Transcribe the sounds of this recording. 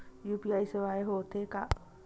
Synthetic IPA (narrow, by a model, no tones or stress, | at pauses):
juːpiajsəʋaːjɦoːt̪ʰeka̰ʔ